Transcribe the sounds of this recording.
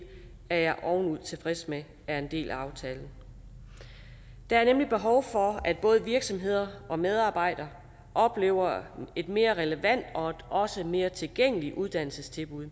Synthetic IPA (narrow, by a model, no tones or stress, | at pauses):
æɐjɑ̈ɪʔɒʊn̩uð̰ˠt͡sʰe̝fʁɛsme | æɐe̝nd̥e̝̰ːlʔæɑ̈ʊt͡sʰɛːln̩ | d̥ɑ̈æɐnemlib̥e̝ɦɒʊfɒ̽æd̥̚b̥ɔ̽ːð̞̩ˠəʋiɐɡ̥sɒ̽mɦe̝ð̞̰ˠɐʔɒ̽með̞ˠɑ̈ːb̥ɑ̈ɪ̰d̥ɐː | ʔɒ̽b̥le̝̰ːʊ̰ɐe̝d̥me̝ːɐʁɛləʋæn̰d̥ɒ̽ed̥ɒ̽səme̝ːɐt͡sʰe̝lɡ̥eŋ̰əliʔuð̞ˠd̥æn̰l̩səst͡sʰe̝lb̥uð̰ˠ